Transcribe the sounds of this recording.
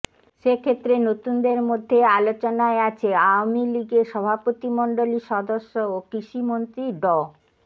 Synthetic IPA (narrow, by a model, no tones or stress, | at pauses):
ʃekʰet̪ːɾenot̪und̪eɾmod̪ʱːealot͡ɕonaeat͡ɕʰeawmiliɡeʃɔbʱapot̪imɔɳɖoliʃɔd̪oʃːookɾiʃimont̪ɾiɖɔ